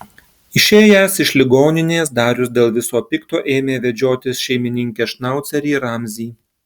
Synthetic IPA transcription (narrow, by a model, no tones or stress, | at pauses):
ɪʃʲeːjæːsɪʃʲlʲɪɡoːnʲɪnʲeːs̬d̪ɑːɾʲʊsd̪ʲeːlˠʋʲɪsoːpʲɪkt̪oːʔeːmʲeːʋʲɛd͡ʒʲoːt̪ʲɪsʃʲɛɪmʲɪnʲɪŋʲkʲeːʃnɑˑʊt̪sʲɛɾʲiːɾɑːmʲzʲiː